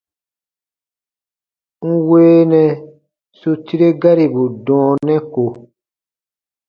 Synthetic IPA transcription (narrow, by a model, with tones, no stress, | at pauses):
ŋ̩˦weː˦nɛ̃˨ | su˧ti˦ɾe˦ɡa˦ɾi˨bu˨dɔ̃ː˨˦nɛ̃˦ko˨